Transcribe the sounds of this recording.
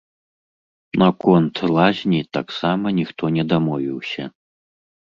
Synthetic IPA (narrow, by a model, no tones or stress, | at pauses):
nakɔnt̪lˠazʲnʲit̪aksamɐnʲixt̪ɔnʲɛd̪amɔvʲiwsʲɐ̰